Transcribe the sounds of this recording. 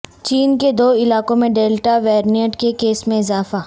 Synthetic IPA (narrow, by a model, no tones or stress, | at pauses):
t͡ʃiːnked̪oːɪlaːkõmẽɖeːlʈaʋɛːɾniəʈkekeːsmẽɪzaːfaː